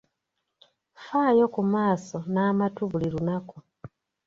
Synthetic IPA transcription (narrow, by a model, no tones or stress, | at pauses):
faːjo̞kumaːso̞naːmatuβuliɾunaku